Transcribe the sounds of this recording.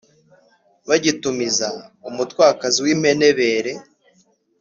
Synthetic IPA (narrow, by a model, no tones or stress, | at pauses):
βaɟitumizaumutwaːkaziwiːm̥ene̞βe̞ːɾe̞